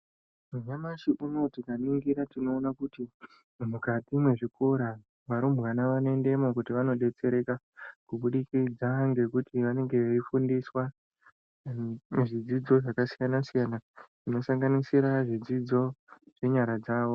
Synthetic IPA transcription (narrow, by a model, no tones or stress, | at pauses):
muɲamaʃiʔuno̞tikaniŋɡiɾatino̞ːnakuti | mukatimwe̞ʐikʰo̞ɾa | ʋaɾomɣanaʋanoe̞nde̞mo̞kutiʋano̞ɗe̞t͡se̞ɾe̞ka | kuɓuɗikid͡zaŋɡe̞kutʰiʋane̞ŋɡe̞eifundiswa | ʐid͡zid͡zo̞ʐakasijanasijanaʐino̞saŋɡanisiɾaʐid͡zid͡zo̞ʐ̥e̞ɲaɾad͡zaːʋo̞